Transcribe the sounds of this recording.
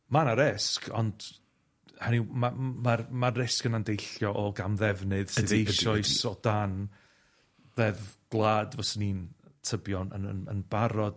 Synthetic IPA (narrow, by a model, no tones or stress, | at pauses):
manaɾɪskʰɔ̰nd̥ | hanimamarmaːɪskənandejɬjɔʔɔɡamðɛvnɨðsɨðejʃɔɨsɔd̥an | vɛðɡ̥lˠaːdvɔsnintʰəbjɔnə̰nə̰nə̰nb̥aɾɔd̥